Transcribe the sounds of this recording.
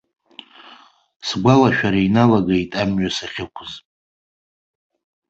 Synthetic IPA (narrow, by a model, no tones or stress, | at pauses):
sɡʷalaʃᶣaɾainalaɡaitʼamɥasaχʲɪkʷʰʊzʼ